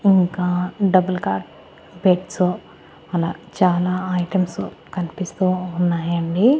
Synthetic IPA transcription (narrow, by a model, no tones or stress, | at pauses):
iŋkaːɖɐbɐlkaːɾʈ | beːʈsu | ɐlaːt͡ʃaːlaːɐjʈɐmsukɐnipist̪uːnːaːjɐɳɖi